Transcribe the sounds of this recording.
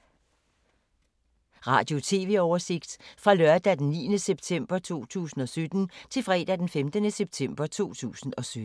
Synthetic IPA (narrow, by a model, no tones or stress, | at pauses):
ʁɑ̰̈ːd̥jo̝t͡sʰe̝ːʋe̝̰ːɒʊɐse̝ɡ̥d̥fʁɑ̈lɶɐd̥æd̥enːiːənəseb̥t͡sʰem̰b̥ɐt͡sʰo̝̰ːt͡sʰṵːsn̩ɒ̽sød̥n̩t͡sʰe̝lfʁɛ̰ːd̥æd̥enfemd̥ənəseb̥̚t͡sʰem̰b̥ɐt͡sʰo̝̰ːt͡sʰṵːsn̩ɒ̽sød